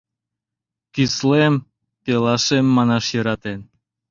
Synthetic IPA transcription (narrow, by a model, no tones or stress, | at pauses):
kislem | pelˠɑʃemːɑnɑʃjɤɾɑt̪en